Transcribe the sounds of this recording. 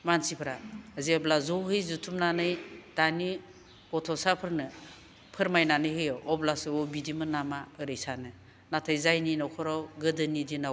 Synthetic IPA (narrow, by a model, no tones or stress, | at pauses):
mansipʰɾaziblazowɦɯjzutʰumnanɯjtani | ɔtʰɔsapʰɯɾnɯ | pʰɯɾmajnanɯjɦɯjɔwɔblasɯɔbidimɯnamaɯɾɯjsanɯ | natʰajzajninawkʰɔɾawɡɯdɯnidinaw